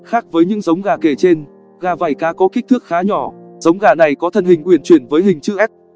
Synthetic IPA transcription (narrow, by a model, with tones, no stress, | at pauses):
xaː˦˥k̚vəː˨˦jɲɨ̰˧˥ŋzə˨˦wŋ͡mɣaː˨˩ke˧˩t͡ɕe˧n | ɣaː˨˩vaː˨˩jkaː˨˦kɔ˨˦ki˦˥k̚t̪ɨ˦˥ək̚xaː˨˦ɲɔ˧˩zə˨˦wŋ͡mɣaː˨˩na˨˩jkɔ˨˦t̪ʰə˨˩nhï˨˩ŋ̟kwi˧˩ənt͡ɕwi˧˩ənvəː˨˦jɦï˨˩ŋ̟t͡ɕɨ̰˧ʔɛ˦˥p̚